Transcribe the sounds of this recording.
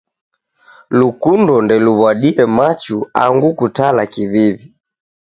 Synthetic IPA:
lukundɔndɛluβwaɗiɛmat͡ʃua̰ŋɡukutalakiβiβi

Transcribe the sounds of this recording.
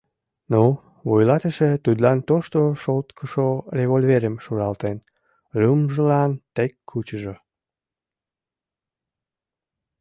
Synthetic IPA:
no | βojlɑt̪əʃet̪ud̪lɑnt̪oʃt̪oʃolt̪kʰəʃoreβolʲveɾəmʃuɾɑlt̪en | lymʒəlɑnt̪ekːut͡ɕəʒo

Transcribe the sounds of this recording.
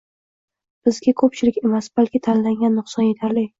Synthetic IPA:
b̥ɪzɡʲakʰɵp̚t͡ʃʰɪlɪkʲe̞masb̥alkʲʰɪt̪ʰanlaŋɡʲanːʊχsɒnje̞t̪ʰaɾlɪ

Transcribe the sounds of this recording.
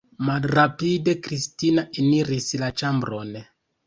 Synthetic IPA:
malrapide̞kɾistinaʔiniɾislat͡ʃambɾo̞n

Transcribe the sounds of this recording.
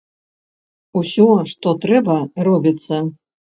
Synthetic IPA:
usʲɔʂt̪ɔt̪ɾɛbɐrɔbʲit̪sɐ

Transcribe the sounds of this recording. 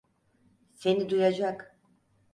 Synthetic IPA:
se̞nid̪ujad͡ʒak

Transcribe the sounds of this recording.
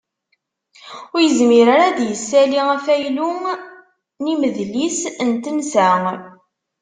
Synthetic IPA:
ʊɾjəzmiɾaɾæðjəsːæliæfæjlu | niməðlisənt̪ənsæŋ

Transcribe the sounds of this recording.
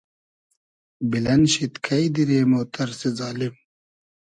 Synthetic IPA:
bilɐnɕit̪kʰɐjd̪iɾeːmoːt̪ɐɾsizaːlim

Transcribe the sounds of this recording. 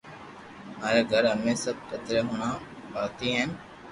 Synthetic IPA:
maːɾeːɡʱəɾɦəmẽːsəb̚kət̪ɾeːɦʊɳ̃ãː | paːt̪iːɦen

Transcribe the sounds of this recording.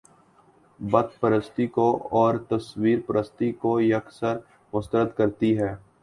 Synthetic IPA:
bɐd̪̚pəɾəst̪ikoɔːɾt̪ɐswiːɾpəɾəst̪ikojɐksəɾ | mʊst̪əɾət̪kɐɾt̪iɦɛː

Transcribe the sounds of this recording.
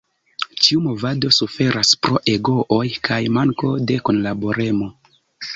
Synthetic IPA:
t͡ʃiumo̞vado̞sufe̞ɾaspɾo̞ʔe̞ɡo̞ʔojkʰajmaŋko̞de̞ko̞nlabo̞ɾe̞mo̞

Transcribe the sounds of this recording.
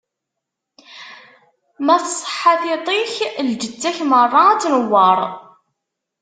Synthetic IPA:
mæθsˤːə̥ħːaθɪt̪ˤiçld͡ʒət͡sːæçmərˤːɑæt͡sːnəwːɑɾˤ

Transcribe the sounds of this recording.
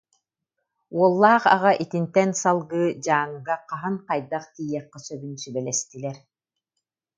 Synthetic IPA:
uɔlˠːaːχa̰ʁaʔit̪int̪ɛnsalˠɡɯːd͡ʑaːŋɡaqaɦɯnqajd̪aqt̪iːjɛqːɔsœbynsybɛlɛst̪ilɛɾ

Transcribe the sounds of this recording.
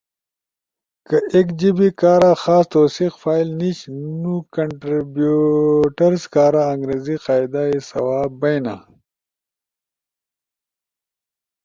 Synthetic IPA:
kɐʔekd͡ʑibikaːɾaxaːst̪oːsixfaːilniɕnukɐɳʈɾibjuʈɐɾskaːɾaɐŋɡɾeːziqaːjd̪aisɐ̰waːbbɐjna̰

